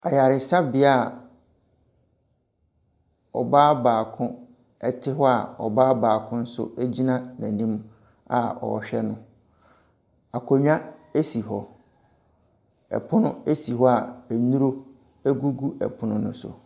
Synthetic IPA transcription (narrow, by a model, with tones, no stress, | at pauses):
a˨ja˨ɾɪ˨sa˦bɪ˨˦a˦˨ | ɔ̰˨baː˦baː˨kʰʊ̃˦ | ɛ˦tʰɪ˦ɦɔ˦a˨ɔ̰˨baː˦baː˨kʰʊ̃˦n̩˦sʊ̰˦æ˦d͡ʑi˦nã˦næ̃˨nĩ˦m | a̰˨ɔ̰˨ɕᶣɛ˦nʊ̃˦ | a˨kʰo˨ɲᶣ˦ã˦e˦si˨ɦɔ˨ | ɛ̰˨pʰʊ˦nʊ̃˦e˦si˨ɦɔ˦a˨æ˨nũ˦ɾo˦ | æ˦ɡu˦ɡu˦ʔɛ̰˨pʰʊ˦nʊ̃˦nʊ̃˦sʊ̰˨